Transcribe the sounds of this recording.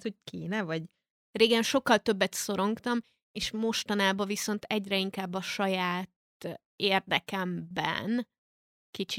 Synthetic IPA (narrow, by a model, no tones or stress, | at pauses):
t̪hoc̚kʰeːnɛvɒɟ | reːɡɛnʃo̞kːɒlt̪ø̞bːɛt̪so̞ɾo̞ŋkt̪ɒm | eːʃmo̞ʃt̪ɒnaːbɒviso̞nt̪ɛɟrɛiŋkaːbːɒʃɒjaːt̪ | eːrd̪ɛkɛmbɛ̰n | kit͡ʃi